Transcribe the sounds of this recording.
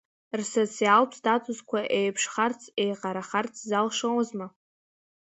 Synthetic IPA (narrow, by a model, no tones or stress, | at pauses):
rsot͡sʰialpʰsdatʼuzkʷʰaʔejpʰʂχart͡sʰʼejqʼaɾaχart͡sʰzalʂawzma